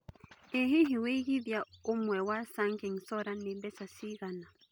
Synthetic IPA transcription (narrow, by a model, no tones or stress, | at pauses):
eɦiɦiweɣibjaomwɛwasaŋkeŋsɔɾanːibɛsasiɣana